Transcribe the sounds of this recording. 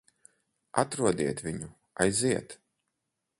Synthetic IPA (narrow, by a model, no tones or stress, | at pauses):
at̪ɾuɔd̪iɛt̪vʲiɲu | ajziɛt̪